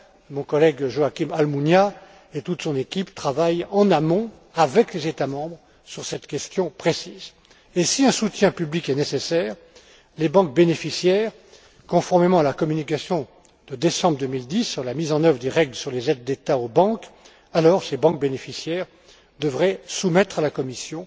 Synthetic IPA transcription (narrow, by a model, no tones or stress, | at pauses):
mɔ̃kɔlɛɡʒoakʲimalmunja | et̪ut̪sɔ̃nekʲipt̪χavajɑ̃namɔ̃ | avɛklezet̪amɑ̃bʁ | syʁsɛt̪kʲɛst̪jɔ̃pχesiːz | esiɛ̃sut̪jɛ̃pyblikɛnesesɛːʁ | lebɑ̃k̚benefisjɛʁ | kɔ̃fɔʁmemɑ̃alakɔmynik̬ʲasjɔ̃ | d̪̥əd̪esɑ̃bʁd̪ømild̪isːyʁlamizɑ̃nœvʁəd̪eʁɛɡlsyʁlezɛd̪̚ːet̪aobɑ̃k | alɔʁsebɑ̃k̚benefisjɛːʁ | d̪əvʁɛsumɛt̪χalakɔmisjɔ̃